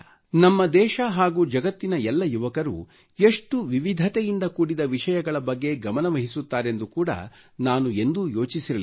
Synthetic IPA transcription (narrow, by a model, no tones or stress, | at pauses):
nɐmːɐd̪ɛːʃɐɦaːɡuːd͡ʒɐɡɐt̪ːinɐɛlːɐjuʋɐkɐɾṵ | eʂʈuʋiʋid̪ʱɐt̪ejind̪ɐkuːɽid̪ɐʋiʂɐjɐɡɐɭɐbɐɡːe̞ɡɐmɐnɐʋɐɦisut̪ːaːɾe̞nd̪ukuːɽɐ̰ | naːnue̞nd̪ujo̞ːt͡ʃisiɾɐli